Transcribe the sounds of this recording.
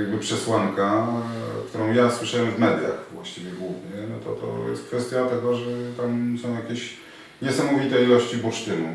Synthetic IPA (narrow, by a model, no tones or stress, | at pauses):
jaɡ̚bɘpʂɛswaŋka | kt̪ʰuɾɔ̃w̃jaswɘʂawɛmvmɛd̪ja̰xvwaɕt͡ɕivʲjɛɡwuvɲɛnɔt̪ɔ̰t̪ɔ̰jɛ̰st̪̚kfɛst̪ʲjat̪ɛɡɔʐɛt̪amsɔ̃w̃jakʲeɕ | ɲɛsamɔvʲit̪ɛilɔɕt͡ɕibut͡ʂt̪ɘnṵ